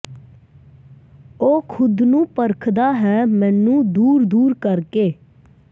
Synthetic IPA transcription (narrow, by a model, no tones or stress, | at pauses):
oːkʰʊd̪nũːpəɾkʰd̪aːɦɛːmɛ̃ːnːũːd̪uːɾd̪uːɾkəɾkeː